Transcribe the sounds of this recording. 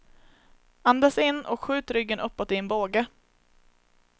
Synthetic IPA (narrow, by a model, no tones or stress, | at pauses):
and̪asɪnːɔkɧʉ̟ːt̪ɾʏɡːənʔɵpːɔt̪ɪɛnboːɡə